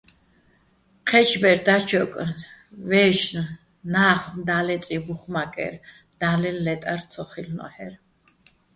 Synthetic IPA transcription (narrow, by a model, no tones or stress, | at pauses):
qʰɛt͡ʃʰbɛɾd̪at͡ʃʰɔkʼvɛʃn | naːχnd̪alɛt͡s̪ʼibuχmakʼɛ̰ɾ | d̪̥alɛllɛt̪ʼaɾt̪sʰɔχilnɔ̰hɛɾ